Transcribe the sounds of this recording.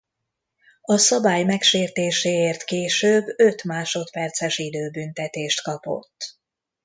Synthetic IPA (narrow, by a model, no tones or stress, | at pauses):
ɒsɒbaːjmɛkʃeːrt̪eːʃeːeːrt̪keːʃøːbøt̪maːʃo̞t̪pɛrt̪sɛʃid̪øːbynt̪ɛt̪eːʃt̪kɒpo̞̰t̪ː